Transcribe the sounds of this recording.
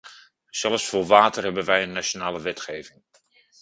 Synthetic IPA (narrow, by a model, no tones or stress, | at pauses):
z̥ɛlˠfsfʊːɹʋaːtərɦɛbənʋɛjənːat͡ʃonaːləʋɛtχejvɪŋ